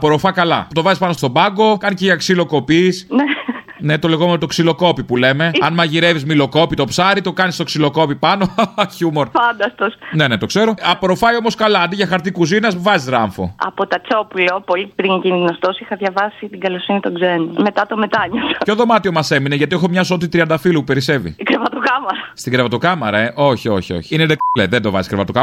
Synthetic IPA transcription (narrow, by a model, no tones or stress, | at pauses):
ɐpoɾofɐkɐlɐ̰ut̪o̞vɐzispɐnost̪o̞bɐŋɡo̞kɐniceʝɐksilo̞ko̞pisne | ne̞t̪o̞le̞ɣo̞menot̪o̞ksilo̞ko̞pipule̞me̞ɐnmɐʝiɾe̞vizmilo̞ko̞pit̪o̞psɐɾit̪o̞kɐnist̪o̞ksilo̞ko̞pipɐno̞çumo̞ɾfɐnd̪ɐst̪osne̞ne̞t̪o̞kse̞ɾo̞ɐpoɾofɐio̞moskɐlɐɐnd̪iʝɐxɐɾt̪ikuzinɐsvɐzizɾɐ̰ɱfo̰ɐ̰pot̪ɐt͡so̞pulopo̞lipɾiɲcinðinost̪osixɐðʝɐvɐsit̪iɡɐlosinit̪oɡzenome̞t̪ɐt̪o̞met̪ɐɲosɐçoðo̞mɐt̪io̞mɐse̞mineʝɐt̪iexomɲɐsot̪it̪ɾiɐnd̪ɐfilupupe̞ɾise̞vḭkɾevɐt̪okɐmɐɾɐst̪iɡɾevɐt̪okɐmɐɾɐeʔo̞çio̞çio̰çi̥ined̪ekleðend̪o̞vɐ̰ziskɾevɐt̪okɐ